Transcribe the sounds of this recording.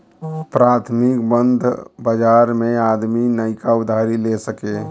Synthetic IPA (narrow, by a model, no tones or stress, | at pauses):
ɔpɾat̪ʰmikbənd̪ʱbəd͡ʒaɾmead̪minəɪkaud̪ʱaɾilesəke